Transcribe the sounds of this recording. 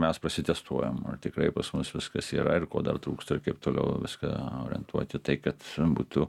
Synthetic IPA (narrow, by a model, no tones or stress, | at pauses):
mʲɛspɾɐsʲɪt̪ʲɛst̪uɔjomɐ̰t̪ʲɪkɾɐɪpɐsmʊsʋʲɪskɐsiːɾɐɪrko̰ːd̪ɐrt̪ɾuːkst̪ɐɪɾkɐɪpt̪oːlʲɛ̰ʊʋʲɪskɐ̰oːɾʲɪɛ̰nt̪ʰuɔt̪ʲɪt̪ɐɪkɐt̪bṵːt̪ʊ